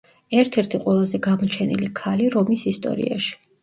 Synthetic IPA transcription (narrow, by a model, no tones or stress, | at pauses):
ɛɾt̪ʰɛɾt̪ʰiqʼwɛlˠazɛɡamɔt͡ʃʰɛnḭlikʰaliɾɔmisist̪ʼɔ̰ɾḭa̰ʃi̥